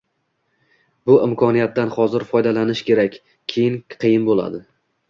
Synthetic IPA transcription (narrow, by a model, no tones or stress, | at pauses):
bʊɪmkʰɒnijat̪̚d̪anχɒzɪɾfɒjd̪alanɪʃkʲʰe̞ɾakʲːʰ | ejɪnqʰijɪnbolˠa̰d̪ɪ